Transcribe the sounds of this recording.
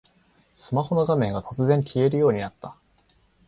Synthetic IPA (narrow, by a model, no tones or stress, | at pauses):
sɨmaho̞no̞ɡamẽ̞ŋɡat̪o̞t͡sɨzẽ̞ŋkʲʰie̞ɾɯ̟jo̞ːɲ̟inat̪ːa